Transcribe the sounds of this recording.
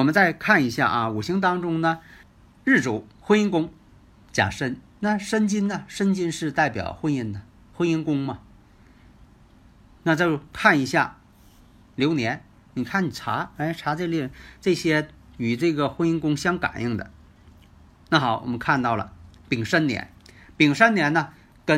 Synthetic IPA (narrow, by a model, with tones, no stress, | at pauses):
wɔ˨˩mə˦nt͡sa˥˧ɪkʰa˥˩ni˧˥ɕja̰˥˩ʔɐ˧u˨˩ɕi˥ŋt̪ɑ˥ŋʈ͡ʂʊ˥ŋnə˨ | ɻ̩˥˩ʈ͡ʂu˨˥˦xwə˥ni˥˧nkʊ˥ŋ | t͡ɕja̰˨˩ʂə˥nna˥˩ʂə˥nt͡ɕi˥nnə˨ʂə˥nt͡ɕi˥nʂɻ̩˥˧t̪a˥˩ɪpjɑ̰˨˩ʊxwə˥ni˥˩ŋd̪ə˩ | xwə˥ni˥nkʊ˥ŋmɐ˨ | na˥˧t͡ɕo˥˧ʊkʰa˥˩ni˧˥ɕja̰˥˩ | ljo˧˥ʊnjɛ˧˥n | ni˨˩kʰa˥˩ni˨˩ʈ͡ʂʰa̰˧˥e˥˩ɪʈ͡ʂʰa˧˥ʈ͡ʂe˥˧li˥˩˧ʈ͡ʂɤ˥˩ɕjɛ˥ | y˨˩ʈ͡ʂɤ˥˩ɡə˩xwə˧˥ni˥nkʊ˥ŋɕjɑ˥ŋka̰˨˩nʔi˥˩ŋd̪ə̰˩ | na˥˩xɑ˨˩˦ʊwɔ̰˨˩mə˦nkʰa˥˧nt̪ɑ˥˩ʊlə̰˩pi˨˩ŋʂə˥nnjɛ̰˧˥n | pi˨˩ŋʂə˥nnjɛ˧˥nnə˧ | kə˥